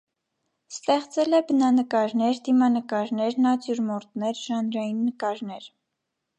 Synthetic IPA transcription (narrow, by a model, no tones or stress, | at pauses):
st̪ɛχt͡sɛlɛbənɑnəkɑɾnɛɾd̪imɑnəkɑɾnɛɾnɑt͡sjuɾmɔɾt̪nɛɾʒ̥ɑnɾɑjinːəkɑɾnɛɾ